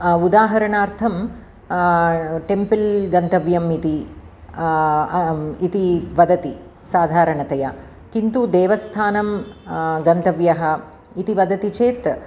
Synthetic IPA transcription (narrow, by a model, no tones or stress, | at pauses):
ud̪aːɦɐɾɐɳaːɾt̪ʰɐm | ʈempilɡɐnt̪ɐʋjɐmit̪i | it̪iʋɐd̪ɐt̪i | saːd̪ʱaːɾɐɳɐt̪ɐjɐ | kint̪ud̪eːʋɐst̪ʰaːnɐm | ɡɐnt̪ɐʋjɐɦɐ̆ | it̪iʋɐd̪ɐt̪it͡ʃeːt̪